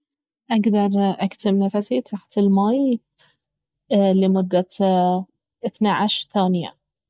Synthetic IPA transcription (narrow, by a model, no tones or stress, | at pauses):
ʔaɡd̪ɑɾˤʔakt̪ɪmnafasit̪ʰaħt̪ɪlmaj | lɪmʊd̪ːa | ʔɪθnaʕaʃɾθaːnɪja̰